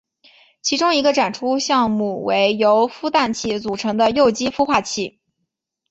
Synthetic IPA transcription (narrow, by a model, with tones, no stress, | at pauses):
t͡ɕʰi˧˥ʈ͡ʂʊ˥ŋi˧˥ɡə˧ʈ͡ʂa˨˩nʈ͡ʂʰu˥ɕjɑ˥˧ŋmu˥˩we˧˥ɪjo˧˥ʊfu˥t̪a˥˧nt͡ɕʰi˥˩t͡su˨˩ʈ͡ʂʰɤ˧˥ŋd̪ə˧jo˥˩ʊt͡ɕi˥fu˥xwa˥˧t͡ɕʰi˥˩